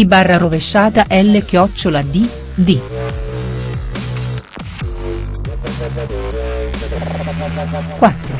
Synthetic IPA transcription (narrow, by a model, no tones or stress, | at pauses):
ibarːaɾoveʃːaːt̪aʔɛlːekjɔt͡ʃːolad̪i | d̪i | kwat̪ːɾo